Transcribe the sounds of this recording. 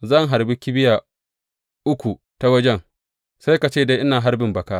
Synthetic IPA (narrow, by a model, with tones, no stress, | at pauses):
zɐ˦˨ŋɦa˨ɾbi˦kʲɪ˦bɪ˦ja˨ | ʔʊ˦kʷu˨ | ta˨wɐ˦d͡ʒɛ˦ŋ | sa˦jka˨t͡ʃeː˦˨da˦jʔɪ˦naː˨ɦa˦ɾbɪ˨mbɐ˨kaː˦